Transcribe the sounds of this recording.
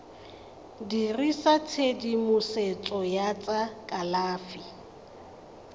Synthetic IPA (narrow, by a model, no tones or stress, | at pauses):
dirisat͡sʰedimʊset͡sʼɔjat͡sʼakʼalaːfi